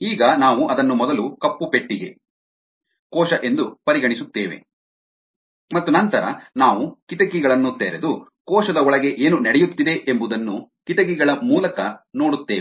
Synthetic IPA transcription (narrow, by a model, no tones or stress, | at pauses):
iːɡɐnaːʋuʔɐd̪ɐnːumɔd̪ɐlukɐpːupeʈːiɡe̞̰ | kɔːʃɐʔe̞nd̪upɐɾiɡɐɳisut̪ːeːʋe̞̰ | mɐt̪ːunɐnt̪ɐɾɐ̰naːʋukit̪ɐkiɡɐɭɐnːut̪ːeːɾed̪u | kɔːʃɐd̪ɐɔɭɐɡe̞ʔeːnunɐɽɛjut̪ːid̪e̞ʔembud̪ɐnːukit̪ɐk̬iɡɐɭɐmuːlɐkɐno̞ːɽut̪ːeːe